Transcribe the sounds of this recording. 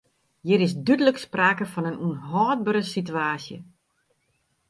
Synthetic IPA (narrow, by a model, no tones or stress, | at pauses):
jɪɾɪsdydələkspraːkəfɔnənunɦɔːd̚bəɾəsityaːsjə̰